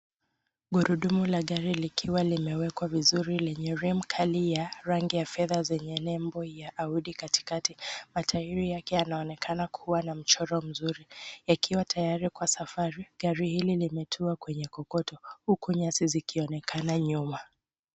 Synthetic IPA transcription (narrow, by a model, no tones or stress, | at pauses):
ɡuɾuɗumulaɠaɾilikʰiwalimɛwɛkwavizuɾilɛɲɛɾim̩kʰalijaɾaŋɡijafɛðazɛɲɛnɛmbɔjaʔauɗikati̥katimatʰaiɾijakɛjanaɔnɛkʰanakʰuwanam̩t͡ʃɔɾɔm̩zuɾijakʰiwatʰajaɾikwasafaɾiɠaɾihililimɛtʰuakwɛɲɛkɔkɔtɔhukuɲasizikʰiɔnɛkʰanaɲuma